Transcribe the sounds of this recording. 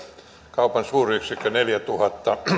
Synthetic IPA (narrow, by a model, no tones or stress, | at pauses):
kɑupɑnsuːryksikːøneljæt̪uhɑt̪ːɑ